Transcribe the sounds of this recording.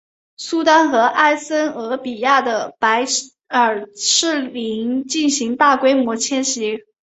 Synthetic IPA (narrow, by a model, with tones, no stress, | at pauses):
su˥t̪a˥nxɤ˧˥ʔa˥˩ɪsə˥nɤ˧˥pi˨˩ja˥˩d̪ə˩pa˧˥ɪ | ə˞˨˩ʈ͡ʂʰɻ̩˥˩li˧˥ŋt͡ɕi˥˩nɕi˧˥ŋt̪a˥˩kwe˥ɪmwɔ˧˥t͡ɕʰjɛ˥nɕi˧˥